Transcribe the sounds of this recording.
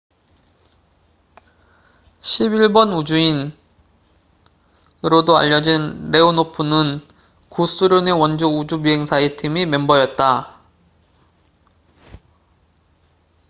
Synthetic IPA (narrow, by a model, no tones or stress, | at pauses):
ɕʰibiɭbʌnud͡ʑuin | ɯɾodoa̰ʎːʌd͡ʑinɾe̞onopʰunɯn | kus͈uɾjone̞wʌnd͡ʑuud͡ʑubiɦe̞ŋsʰaitʰimimembʌjʌt̚t͈a